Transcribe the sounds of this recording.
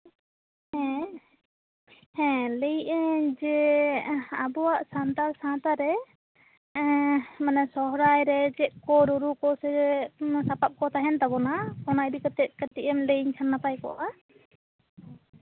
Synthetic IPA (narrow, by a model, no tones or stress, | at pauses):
ɛ̃ | hɛ̃ləjɛd͡ʒɛ | abɔwaʔsant̪aɾsãt̪aɾɛ | manɛsɔɦɾajɾɛd͡ʒɛʔ̚kɔɾuɾukɔsɛɛsapap̚kɔt̪ʰaɦɛnt̪abɔnakɔnajbikət̪ɛt̪̚kətiʔɛmləɲsʰanːapajkɔ̰ʔa